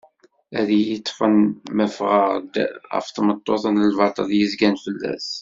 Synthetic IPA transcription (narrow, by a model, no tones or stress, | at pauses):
æðijət̪ˤːfənmæfʁəʁd̪ʁə̰ft̪mət̪ˤːoθənəlvɑt̪ˤə̰ljəzɡænfəlːæ̰s